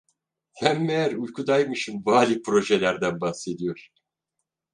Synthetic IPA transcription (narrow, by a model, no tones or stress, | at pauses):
hæmːejæɾujkʰud̪ajmɯʃɯmbaːlʲipʰɾo̞ʒe̞lʲæɾd̪ænbahse̞d̪ijo̞ɾ̥